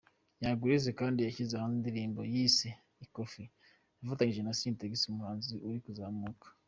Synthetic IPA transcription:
jaɡuɾize̞kaːndijaçizehanindiɾiːmbo̞jiːse | iko̞fi | jafataɲiʒe̞nasiːnteɡisumuhaːnziʔuɾikuzamuːkḁ

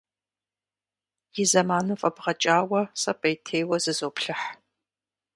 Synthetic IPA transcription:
jɪzɐmaːnufʼɐbʁɐt͡ʃʼaːwɐsɐpʼɐjtʰeːjwɐzɨzoːpɬɨħ

